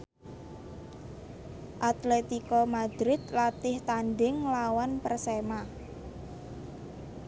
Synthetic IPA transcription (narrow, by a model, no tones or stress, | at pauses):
ʔat̪let̪ikɔmad̪̥ɾɪt̪̚lat̪ɪht̪anɖɪŋlawanpərsema